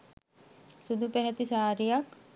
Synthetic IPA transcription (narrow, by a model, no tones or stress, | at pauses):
sud̪ʱupɛɦɛt̪isaːɾijak